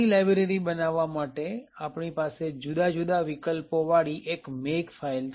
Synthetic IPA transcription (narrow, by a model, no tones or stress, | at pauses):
ilajbɾeɾibənaʋːamaʈeapɳipased͡ʒud̪ad͡ʒud̪aʋikəlpoʋaɭiʔekmekfʰail